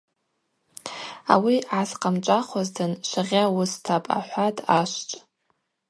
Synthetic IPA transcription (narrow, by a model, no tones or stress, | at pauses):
a̰wiʕasqʼamt͡ʃʷʼaχʷaztʰɨnʃʷaʁʲawʊstʰapʼa̰ħʷatʼaʃʷt͡ʃʷʼ